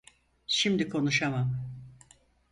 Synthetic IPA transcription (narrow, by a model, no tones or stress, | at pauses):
ʃimd̪ikʰo̞nuʃamam